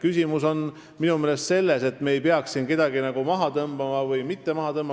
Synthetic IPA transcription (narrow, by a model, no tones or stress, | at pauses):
kysʲimuso̞n | minumeːlest̪se̞lːe̞se̞t̪ːˑmeejpeɑksinke̞d̪̥ɑɡinɑɡ̥umɑɦɑt̪ɤmb̥ɑmɑvɯjmit̪ːe̞mɑɦɑt̪ɤmb̥ɑ